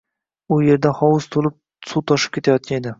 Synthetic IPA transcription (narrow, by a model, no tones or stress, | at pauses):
ʊje̞ɾd̪ahɒwʊst̪ʰolɪp̚ | sut̪ʰɒʃɪ̥p̚kʲʰet̪ʰajɒt̪̚kʲaned̪ɪ